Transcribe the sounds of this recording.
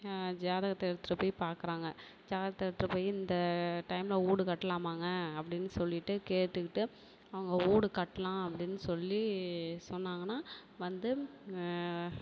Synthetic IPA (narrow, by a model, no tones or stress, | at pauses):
d͡ʒaːðɐɣɐt̪ːɛɽɯt̪ːɾɐpoːjɪpaːɾkɯɾaːŋɡɐ | d͡ʒaːðɐɣɐt̪ːɛɾɯt̪ːɯɾɐpoːjɪnd̪ɐʈɐɪmlɐuːɽɯkɐʈːɐlaːmaːŋɡɐɐpːɐɽɪnːɯsɔlːɪʈːɯkeːɾt̪ːɯkːɪʈːɯ | ɐʋɐŋɡɐuːɽɯkɐʈːɐlãːɐpːɐɽɪnːɯsɔlːisɔnːaːŋɡɐnːaːʋɐnd̪ɯ